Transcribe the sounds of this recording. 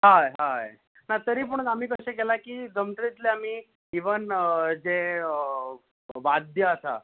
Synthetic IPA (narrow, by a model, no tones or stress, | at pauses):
ɦaɦa | nat̪əɾiːp̬əɳam̤iːkəɕẽk̬elakiːd͡zəmt̪ɾit̪leam̤iː | iʋənd͡zeə | ʋad̪ʱjəəsa̰